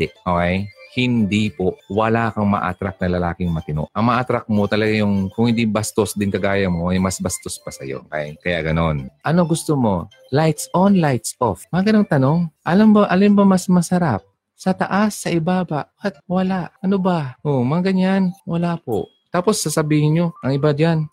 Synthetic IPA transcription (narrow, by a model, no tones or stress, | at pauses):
ʔokɛjhɪnd̪ipoʔwɐlaːkɐŋmɐ̰ʔa̰t̪ɾak̚nɐlɐlaːkɪŋmɐt̪ɪno̰ʔʔɐŋmɐʔat̪ɾak̚mot̪ɐlɐɡajʊŋkʊŋhɪ̃nd̪ibɐst̪osd̪ɪnkɐɡaːjɐmoʔɐjmɐsbɐst̪ospɐsɐ̰jo̰kɛ̰jkɐja̰ʔɡɐno̞nʔɐno̞ɡʊst̪omo̞ | lajt̪sʔonlajt̪sʔofmɐŋaɡɐnoŋt̪ɐno̞ŋʔɐlambɐʔɐlɪmbɐmɐsmɐsɐɾap̚ | sɐt̪ɐ̰ʔasːɐʔɪbaːbɐ | at̪̚wɐlaʔʔɐnobaʔomɐŋaɡɐɲanwɐlaːpo̰ʔ | t̪aːpo̞sːɐsɐbiːhɪnɲo̞ʔɐŋɪbad͡ʒan